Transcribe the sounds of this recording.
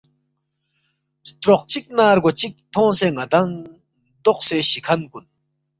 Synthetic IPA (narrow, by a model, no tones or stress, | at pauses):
t͡ɕə̥t̪ɾoq̚t͡ɕik̚narɡot͡ɕik̚t̪ʰoŋseŋad̪aŋ | d̪oχseɕikʰankun